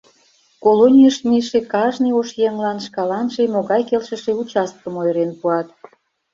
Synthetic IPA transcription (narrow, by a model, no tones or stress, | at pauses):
kolonʲijəʃmʲiʃekɑʒnəjoʃjeŋlɑnʃkɑlɑnʒemoɣɑjkelʃə̆ʃeut͡ɕɑst̪̚kəmojɾenpuɑt̪